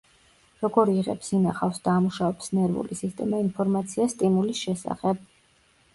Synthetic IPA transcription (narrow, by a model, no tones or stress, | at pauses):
ɾɔɡɔɾiʁɛ̰psinaχafsd̪̥aːmuʃavɛpsnɛɾvṵlisist̪ʼɛmainpʰɔɾmat̪sʰiast̪ʼimulisʃɛsa̰χɛb̚